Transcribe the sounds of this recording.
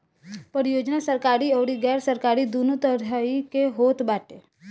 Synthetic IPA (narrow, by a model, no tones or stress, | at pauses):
pəɾjod͡ʒnasəɾkaɾiəʋɽiɡɛɾsəɾkaɾid̪unut̪əɾjaikeɦot̪baʈe